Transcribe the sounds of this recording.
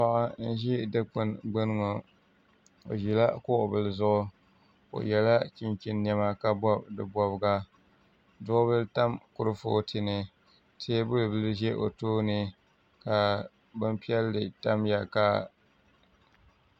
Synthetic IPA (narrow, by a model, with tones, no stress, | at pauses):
pa˦ʔa˦n̩˦ʒi˦dɨ˦k͡pɨ˨nɡ͡bɨ˦n˦ŋo˨ | o̰˨ʒi˨la˦kʊ˦ʔʊ˨bɨ˨lzʊ˦ʔʊ˦ | o̰˨jɛ˨la˦t͡ʃi˦nt͡ʃi˦nː˦ɛ˦ma˦ka˨bɔ˦b̚dɨ˨bɔ˨bɡa˦ | dʊ˦ʔʊ˦bɨ˦lta˦mkʊ˨ɾɨ˦fo̰ː˦tʰɨ˨nɨ˨ | tʰeː˦bʊ˦lɨ˨bɨ˦lʒɛ˦ʔo̰˨toː˦nɨ˨ | ka˨ | bɨ˦m˦pi˦ɛ˦lːɨ˨ta˦mja˨ka˦˨